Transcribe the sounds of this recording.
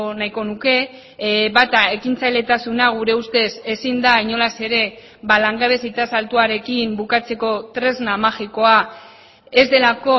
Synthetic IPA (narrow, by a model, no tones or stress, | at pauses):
najko̞nuke̞ | βat̪ae̞kint͡sajle̞t̪asunaɣ̞uɾe̞ust̪e̞se̞sind̪aiɲo̞lase̞ɾe̞ | balaŋɡaβe̞sit̪asalt̪uaɾe̞kimbukat͡se̞ko̞t̪ɾe̞znamaxiko̞a | e̞zd̪e̞lako̞